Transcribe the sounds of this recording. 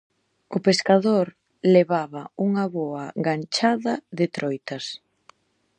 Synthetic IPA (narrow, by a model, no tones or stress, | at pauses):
ʊpeskaðoɾ | leβaβɐuŋɐβɔɐɡant͡ʃaðɐðɪt̪ɾɔjt̪ɐs